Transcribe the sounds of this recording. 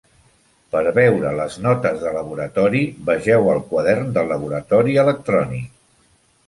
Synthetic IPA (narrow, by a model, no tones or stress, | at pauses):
pəɾβɛwɾələznɔt̪əzðələβ̞uɾət̪ɔɾiβəʒɛwəlˠkwaðɛrnd̪əlːəβ̞uɾət̪ɔɾiələk̚t̪ɾɔnik